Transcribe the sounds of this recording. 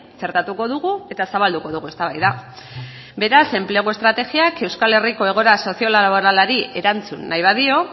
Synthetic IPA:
t͡se̞ɾt̪at̪uko̞ðuɣue̞t̪asaβald̪uko̞ðuɣue̞st̪aβajða | be̞ɾase̞mpleɣ̞oe̞st̪ɾat̪e̞ɣiake̞wskale̞riko̞e̞ɣ̞o̞ɾaso̞sio̞laβo̞ɾalaɾie̞ɾant͡sunːajβ̞aðio̞

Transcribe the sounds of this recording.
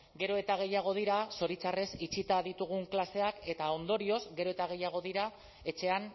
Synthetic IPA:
ɡe̞ɾo̞e̞t̪aɣ̞e̞jaɣ̞o̞ð̞iɾaso̞ɾit͡sare̞sit͡ʃit̪að̞it̪uɣ̞uŋklase̞ake̞t̪ao̞nd̪o̞ɾio̞zɡe̞ɾo̞e̞t̪aɣ̞e̞jaɣ̞o̞ðiɾa | e̞t͡ʃe̞an

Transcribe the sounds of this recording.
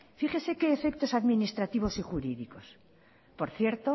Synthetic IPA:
fiχese̞ke̞ːfe̞k̚t̪o̞saðminist̪ɾat̪iβ̞o̞siχuɾiðiko̞s | po̞ɾθje̞ɾt̪o

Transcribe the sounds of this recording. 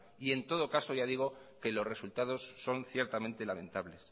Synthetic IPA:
ie̞nt̪o̞ð̞o̞kaso̞ʝað̞iɣ̞o̞ke̞lo̞zre̞sult̪að̞o̞sːo̞nθje̞ɾt̪amẽnt̪e̞lamẽ̞nt̪aβle̞s

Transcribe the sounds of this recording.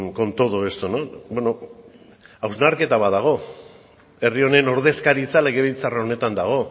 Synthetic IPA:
ko̞nt̪o̞ðue̞st̪onobeno | awznaɾke̞t̪aβaðaɣ̞o̞ | e̞rio̞ne̞no̞ɾðe̞skaɾit͡sale̞ɣe̞βejt͡sarao̞ne̞t̪and̪aɣ̞o̞

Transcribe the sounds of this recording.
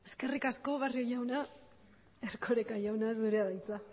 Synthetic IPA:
e̞ske̞rikasko̞βario̞jawna | eɾkʰo̞ɾekaʝawnaezd̪uɾeaðajt͡sa

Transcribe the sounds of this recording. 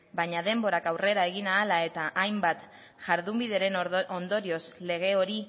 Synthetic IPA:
baɲaðe̞mbo̞ɾakawre̞ɾae̞ɣ̞inaːlae̞t̪aʔajmbat̪ | ʝ̥aɾðumbiðe̞ɾe̞no̞nd̪o̞ɾio̞sle̞ɣ̞e̞o̞ɾi

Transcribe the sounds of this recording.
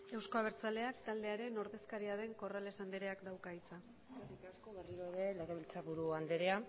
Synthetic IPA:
e̞wsko̞aβ̞e̞ɾt͡sale̞akt̪ald̪e̞aɾe̞no̞ɾðe̞skaɾiaðe̞ŋko̞rale̞sand̪eɾe̞akd̪awkait͡sa | esarikasko̞βerioeɾeleɣeβilt͡saβuɾuand̪eɾea

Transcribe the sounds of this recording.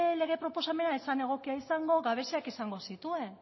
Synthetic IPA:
le̞ɣe̞pɾo̞po̞same̞naesane̞ɣ̞o̞kiaisaŋɡo̞ɣaβ̞e̞seakisaŋɡo̞sit̪ue̞n

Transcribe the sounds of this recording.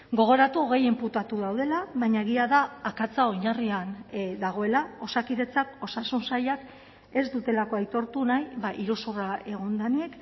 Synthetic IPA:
ɡo̞ɣ̞o̞ɾat̪uo̞ɣe̞jemput̪at̪uðawðe̞laβaɲaeɣ̞iaðaːkat͡sao̞ɲariand̪aɣ̞o̞e̞lao̞sakiðe̞t͡sako̞sasunsajak | e̞zd̪ut̪e̞lako̞ajt̪o̞ɾt̪unajβaʔiɾusurae̞ɣ̞ond̪anie̞k

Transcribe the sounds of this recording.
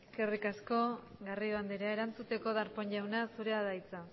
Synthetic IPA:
eske̞rikasko̞ɡariðoand̪eɾeae̞ɾant͡sut̪e̞ko̞ðaɾpo̞ɲʎawnasuɾe̞aðajt͡sa

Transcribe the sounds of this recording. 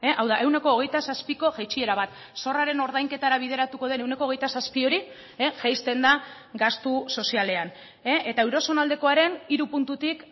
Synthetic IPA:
eʔawðaʔe̞wne̞ko̞ːɣ̞ejt̪asaspiko̞ʝejt͡ʃie̞ɾaβat̪ | so̞raɾe̞no̞ɾðajŋke̞t̪aɾaβ̞ið̞e̞ɾat̪uko̞ð̞e̞newne̞koɣ̞e̞jt̪asaspio̞ɾi | eʝajst̪e̞nd̪a | ɡast̪uso̞siale̞an | eʔet̪awɾo̞so̞nald̪e̞ko̞aɾe̞niɾupunt̪ut̪ik

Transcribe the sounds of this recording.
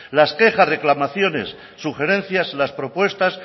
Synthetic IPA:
laske̞xasre̞klamaθjo̞ne̞̰sː | uxe̞ɾẽ̞nθjaslaspɾo̞pwe̞st̪as

